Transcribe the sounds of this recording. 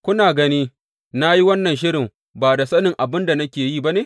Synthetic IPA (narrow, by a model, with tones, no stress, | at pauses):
kʷʊ˦naː˨ɡɐ˦niː˦ | na˦ji˦wɐ˦nːɐ˨nʃ̬ɪ˦ɾɪ˨m | baː˨da˨sɐ˦nɪ˨ŋʔa˨bɪ˦nda˨nɐ˦kʲeː˨ji˦ba˦neː˨˦